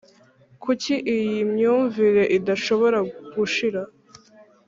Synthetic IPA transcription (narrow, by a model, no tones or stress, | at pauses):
kʰuciʔijimɲuːɱviɾe̞ʔidaʃo̞βo̞ɾaɡuʃiɾa